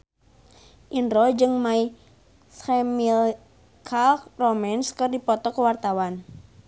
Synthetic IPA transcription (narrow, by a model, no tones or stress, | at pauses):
ʔinɾɔd͡ʒɨŋmai | semil | kʰalkrɔmɛnskɨrdipɔt̪ɔkəwart̪awan